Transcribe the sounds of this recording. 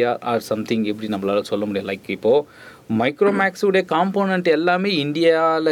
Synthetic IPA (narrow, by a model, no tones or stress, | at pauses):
aʔa̰ːɾsɐmt̪ʰɪ̃ŋɡɛpːɐɽinɐmːɐlaːlɐsɔlːɐmʊɽijɐlɐɪkːɪpːoː | mɐɪkɾoːmaːksʋɯɽɐjɐkaːmpoːnɐɳʈɛlːaːmeːɪnd̪ɪjalɐ